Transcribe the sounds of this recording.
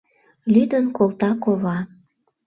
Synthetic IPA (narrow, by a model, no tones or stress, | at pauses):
lyd̪ənkolˠt̪ɑkoβɑ